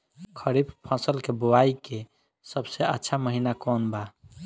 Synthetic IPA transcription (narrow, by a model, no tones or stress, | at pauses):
kʰəɾibpʰə̃səlkeboajke | səbseətːʃʰaməɦinakɔnba